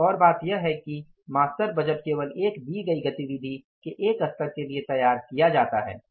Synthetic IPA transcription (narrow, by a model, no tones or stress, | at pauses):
ɔːɾbaːt̪jɐɦɛki | maːst̪əɾbɐd͡ʒəʈkeːʋəleːkbʱiɡɐiɡɐt̪iʋɪd̪ʱikeʔeːkɐst̪əɾkeliet̪ɐjaːɾkijad͡ʒaːt̪aɦɛ̰ː